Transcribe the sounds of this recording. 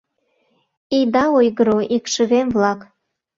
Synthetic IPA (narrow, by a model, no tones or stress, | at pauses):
ijd̪ɑojɣəɾoʔikʃəɣemvlɑk